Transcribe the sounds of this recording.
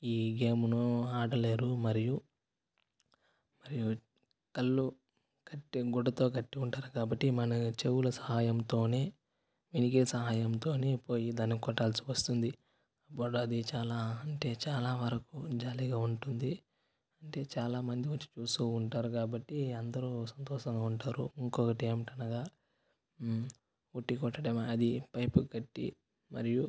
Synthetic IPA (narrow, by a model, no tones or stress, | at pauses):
iːɡeːmunuaːɽɐleːɾumɐɾiju | mɐɾiju | kɐlːu | kɐʈːiɡuɖːɐt̪o̞ːkɐʈːiuɳʈaːɾukaːbɐʈːimɐnɐt͡ʃewulɐsɐɦaːjɐmt̪o̞ːne̞ː | minikisɐɦaːjɐmt̪o̞ːne̞ːpo̞ːjid̪aːnːikɔʈːaːlɐsi̥ʋɐst̪und̪i | ɐpːuɽuɐd̪it͡ʃaːlaːɐɳʈe̞ːt͡ʃaːlaːʋɐɾɐkud͡ʒaːliɡaːuɳʈund̪i | ɐɳʈe̞ːt͡ʃaːlaːmɐnd̪iʋɐt͡ʃːi̥t͡ʃuːst̪uːɳʈaːɾukaːbɐʈːiɐnd̪ɐɾusɐnt̪ɔːʃɐŋɡaːuɳʈaːɾṵiŋkɔkɐʈiemiʈɐnɐɡaː | uʈːikɔʈːɐɽɐmaɐd̪ipɐjpuɡɐʈːḭ | mɐ̰ɾiju